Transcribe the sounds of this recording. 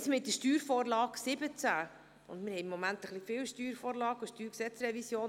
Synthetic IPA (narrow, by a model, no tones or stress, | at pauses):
smɪt̚dəʃtyːɾfɔːɾlɑːksɪbət͡sæ | ʊ̰ndmɪɾhɛjmːɔmænt̪əχlifɪːwʃtyːɾfɔːɾlɑːɡəʃtyːɾksɛt͡sɾɛvisjoːn